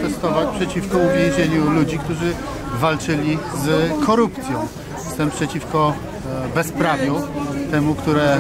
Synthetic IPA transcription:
t̪ɛst̪ɔvat͡ɕpʂɛt͡ɕifkɔuvʲjẽw̃ʑeɲulud͡ʑikt̪uʐɘ | valt͡ʂɘlʲizkʰɔɾupt̪sʲjɔ̃w̃ | st̪ɛmpʂɛt͡ɕifkɔ | bɛspɾavʲjut̪ɛmukt̪uɾɛ

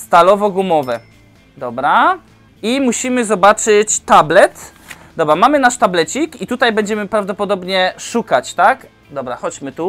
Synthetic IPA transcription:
st̪alɔvɔɡumɔvɛ | d̪ɔbɾa | imuɕimɘzɔbat͡ʂɘt͡ɕt̪ablɛt̪ | d̪ɔbɾamamɘnaʂt̪ablɛt͡ɕikit̪ut̪ajbɛɲd͡ʑɛmɘpɾavd̪ɔpɔd̪ɔbɲɛʂukat͡ɕt̪ak | d̪ɔbɾaxɔd͡ʑmɘt̪u

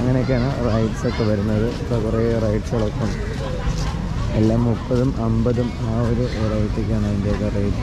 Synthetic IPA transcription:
ɐŋːɐneokʲːaːɳɨrɐjʈso̞kːe̞ʋɐɾunːɐðɨɐt̪ɐkureːrɐjʈsɐɭokːɐm | elːaːmːupːɐðumʔɐmbɐðum | aːoɾuʔorɐjʈːik̬ʲːaːɳaind̪eokːerɐjʈ

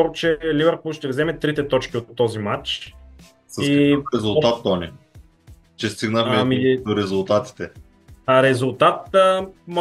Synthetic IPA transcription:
ɔɾt͡ʃɛlivɛɾpulˠʃt̪ɛvzɛmɛt̪ɾit̪ɛt̪ɔt͡ʃkiot̪ːɔzimat͡ʃ | səiiɾɛzulˠt̪at̪ːɔni | t͡ʃɛst̪iɡnəxmɛmid̪oɾɛzulˠt̪at̪i̥t̪ɛ | aɾɛzulˠt̪at̪̚əm

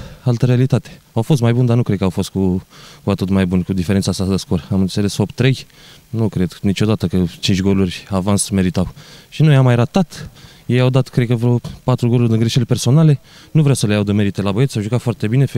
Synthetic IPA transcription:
alt̪əɾealit̪at̪e̥ | awfo̞s̬t̪majbund̪anukɾed̪̚kəawfo̞st̪̚kukuat̪ot̪majbunkud̪ifeɾentsasad̪əskuɾəamɨnt̪se̞le̞sfopt̪ɾe̞j | nukɾed̪nit͡ʃʲo̞d̪at̪əkət͡ʃint͡ʃʲɡo̞lurʲavansme̞ɾit̪awʃinojamːajɾat̪at̪ | jejawd̪at̪kɾekəvɾopat̪ɾuɡo̞lurʲd̪əŋɡɾeʃelpe̞rso̞nale̞ | nuvɾeawsəlejawd̪əme̞ɾit̪e̞labəjet̪sʲawʒukat̪foart̪e̞bine̞f

